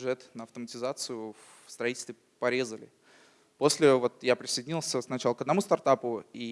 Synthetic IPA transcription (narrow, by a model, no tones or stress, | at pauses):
ʐɛt̪nəɐft̪əmətʲɪzat̪sɨjʊ | fst̪ɾɐitʲɪlʲst̪vʲɪ | pɐɾʲe̞zəlʲɪ̰ | po̞sʲlʲɪvo̞t̪japɾʲɪsəjdʲɪnʲilˠsʲəsnɐt͡ɕalˠəkəd̪nɐmust̪ɐrt̪apʊi